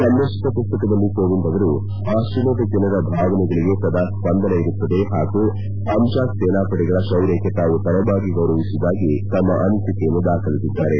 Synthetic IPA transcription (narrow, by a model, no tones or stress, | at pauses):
sɐnd̪ɐsi̥t̪ɐpust̪ɐkɐd̪ɐlːikoːʋind̪ɐʋɐɾu | aːsunoːʈ̪ɐkɛnɐɾɐbʱaːʋɐnɛɡɐɭiɡe̞t̪ɐd̪aːspɐnd̪ɐnɐiɾut̪ːɐd̪e̞ɦaːɡu | ɐmʃaːksɛːnaːpɐʈɛɡɐɭɐʃɐwɾekːet̪aːʋut̪ɐɾɐbaːɡiɡɐwɾɐʋisud̪aːɡit̪ɐmːɐʔɐnit̪ikejɐnːud̪aːkʰɐlisid̪ːaːɾe̞